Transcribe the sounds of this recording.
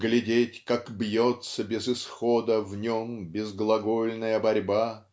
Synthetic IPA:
ɡlʲɪdʲetʲkakbjot̪səbʲɪzɨsxod̪əvnʲombʲɪzɡlˠɐɡolʲnəjəbɐɾʲba

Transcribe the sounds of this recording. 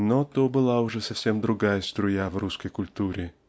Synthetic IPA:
not̪obɨlˠaʊʐɛsɐfsʲemd̪ɾʊɡajəst̪ɾʊjavruskəjkʊlʲt̪uɾʲɪ

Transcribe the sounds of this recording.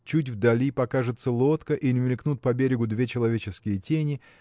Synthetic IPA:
t͡ɕutʲvd̪ɐlʲipɐkaʐɨt̪səlˠo̞t̪kəʔinʲmʲɪlʲknut̪̚pɐbʲeɾʲɪɡʊd̪vʲet͡ɕɪlˠɐvʲet͡ɕɪskʲɪjətʲenʲɪ

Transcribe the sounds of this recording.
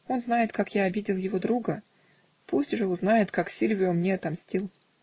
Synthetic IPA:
o̞nznajɪt̪kakjaɐbʲidʲɪlˠjɪvo̞d̪ɾuɡə | pusʲtʲʐɨʊznajɪt̪kaksʲilʲvʲɪomnʲeɐt̪ɐmsʲtʲilˠ

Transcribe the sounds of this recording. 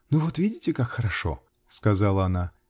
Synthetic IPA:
nuvot̪vʲidʲɪtʲɪkakxəɾɐʂo̰ | skɐzalˠəɐna

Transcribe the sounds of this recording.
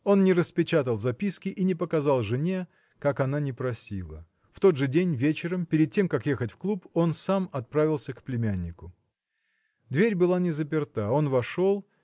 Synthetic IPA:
o̞nnʲɪɾəspʲɪt͡ɕat̪əlˠzɐpʲiskʲɪʔinʲɪpəkɐzalˠʐɨnʲe̞ | kakɐnanʲɪpɾɐsʲilˠə̰ | ft̪o̞d̪ʐɨdʲenʲvʲet͡ɕɪɾəmpʲɪɾʲɪd̪̚tʲːe̞mkakjexətʲfklˠupo̞nsamɐt̪̚pɾavʲɪlˠsʲəkplʲɪmʲænʲːɪkʊ | d̪vʲeɾʲbɨlˠanʲɪzəp̬ʲɪrt̪ao̞nvɐʂo̞lˠ

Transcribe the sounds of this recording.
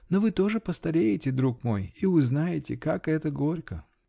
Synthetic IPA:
novɨt̪o̞ʐɨpəst̪ɐɾʲejɪtʲɪd̪ɾukmo̞̰jiʊznajɪtʲɪ̰kakɛt̪əɡo̞ɾʲkə

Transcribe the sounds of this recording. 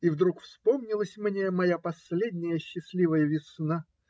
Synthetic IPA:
ivd̪ɾukfspo̞mnʲɪlˠəsʲmnʲe̞mɐjapɐsʲlʲed̪ʲnʲɪjəɕːɪsʲlʲivəjəvʲɪsna

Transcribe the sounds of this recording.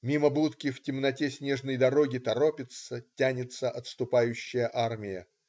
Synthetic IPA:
mʲiməbut̪kʲɪftʲɪmnɐtʲesʲnʲeʐnəjd̪ɐɾo̞ɡʲɪt̪ɐɾo̞pʲɪt̪sətʲænʲɪt̪səʔɐt̪st̪ʊpajʉɕːɪjəʔarmʲɪjə

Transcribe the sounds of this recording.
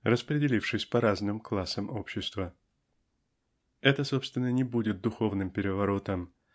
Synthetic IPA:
rəspɾʲɪdʲɪlʲifʂɨsʲpɐɾaznɨmklˠasəmʔo̞pɕːɪst̪və | ɛt̪əso̞pst̪vʲɪnːənʲɪbudʲɪt̪̚d̪ʊxo̞vnɨmpʲɪɾʲɪvɐɾo̞t̪əm

